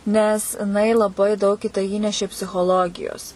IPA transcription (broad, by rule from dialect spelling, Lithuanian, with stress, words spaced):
nʲɛs ɪˈnɐɪ lˠɐˈbɐɪ dɐʊk iː tɐɪ ˈiːnʲɛʃʲeː pʲsʲɪxoːˈlˠoːɡʲɪjoːs